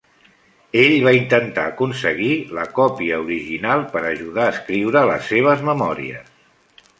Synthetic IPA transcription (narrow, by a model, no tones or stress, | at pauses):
eʎβaint̪ənt̪aːkunsəɣiləkɔpiəuɾiʒinalˠpəɾəʒuðaːskɾiwɾələ̰sːeβ̞əzməmɔɾḭə̰s